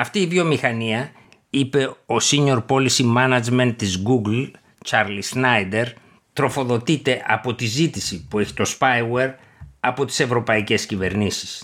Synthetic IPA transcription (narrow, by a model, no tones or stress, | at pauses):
ɐft̪iːvijo̞mixɐniɐ | ipe̞o̞siɲo̞ɾpo̞lisimɐnɐd͡ʒme̞nt̪ːizɡuɡl | t͡ʃɐɾlisnɐjd̪e̞ɾ | t̪ɾo̞fo̞ðo̞t̪it̪e̞ʔɐpo̞t̪izit̪isipue̞çi̥t̪o̞spɐjweɾ | ɐpo̞t̪i̥se̞vɾo̞pɐice̞scive̞ɾnisi̥s